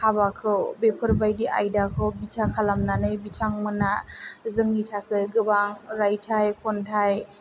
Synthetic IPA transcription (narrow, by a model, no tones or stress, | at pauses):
kʰabakʰɯwbepʰɯɾbajdiʔa̰jdakʰɯwbitʰakʰalamnanɯjbitʰaŋmɯnazɯŋitʰakʰɯjɡɯbaŋɾajtʰajkʰɔntʰaj